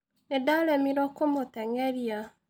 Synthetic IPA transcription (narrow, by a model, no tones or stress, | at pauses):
nedaɾɛmiɾɔkomotɛŋɛɾja